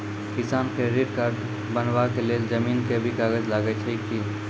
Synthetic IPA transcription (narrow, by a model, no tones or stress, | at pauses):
kɪsaːnkeɾeːɖkaːɾɖ | bənʋakeled͡ʒəmiːnkebʱikaːɡəd͡ʒlaːɡət͡ʃʰeki